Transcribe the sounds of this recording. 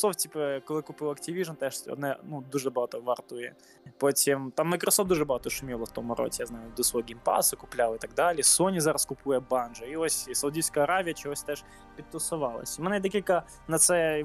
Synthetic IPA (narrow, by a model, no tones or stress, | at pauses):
softʲipəkolˠɨkupɨwˠɐktʲɪvʲiʐmt̪aʂʲo̰d̪nanud̪uʐɐbɐat̪ovɐrt̪ujɛ̰ | potʲemt̪amːɐkɾɐsofd̪uʐɨbɐat̪oʂɨmʲilˠɐft̪omɐɾo̰dʲɪjaznajʊd̪ɨsoɡʲɪmpa̰sɨkʊplʲalˠɨt̪ɐɡ̚d̪alʲɪəsonʲɪzaɾɐskʊpujɛbanʐɨiosʲsɐʊdʲijskəjɐɾavʲɪjət͡ɕɪɦosʲt̪aʂ | pʲɪt̪ːʊsɐvalˠɐ̰sʲmɛnad̪ɐkʲikɐ | nɐt̪sɛ